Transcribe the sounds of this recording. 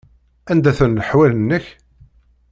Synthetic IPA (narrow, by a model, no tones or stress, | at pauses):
ænd̪æθənləħwælənːəç